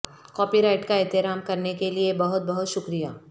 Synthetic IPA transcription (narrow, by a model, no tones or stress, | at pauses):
kɔːpiɾaːɪʈkaɛt̪ɪɾaːmkɐɾnekeliebɐɦʊt̪̚bɐɦʊt̪ʃʊkɾija̰ː